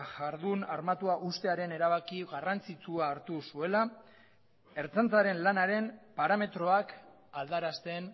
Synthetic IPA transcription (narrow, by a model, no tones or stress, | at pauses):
ʝaɾðunaɾmat̪uaʔust̪e̞aɾe̞ne̞ɾaβakiɣarant͡sit͡suaːɾt̪usue̞la | e̞ɾt͡sant͡saɾe̞nlanaɾe̞mpaɾame̞t̪ɾo̞ak | ald̪aɾast̪e̞n